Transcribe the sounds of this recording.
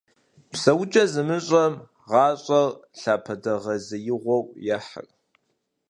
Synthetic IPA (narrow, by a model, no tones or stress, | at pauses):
psɐwʊt͡ʃʼɐzɨmɨɕʼɐm | ʁɑːɕʼɐrɬaːpʰɐdɐʁɐzɨjɪʁʷɔwjaħə̰r